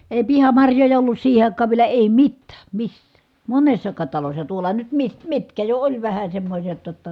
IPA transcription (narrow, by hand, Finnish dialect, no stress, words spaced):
eˑi̯ pihɑmɑrjojɑ olːus siːhe ɑˑikˑɑːʋ ʋielæ eˑi mitːæː misːæː monesːɑkɑːt tɑlosːɑ tuolɑ nyt mi mitkæ jo olʲ ʋæhæ semːosʲet jotːɑ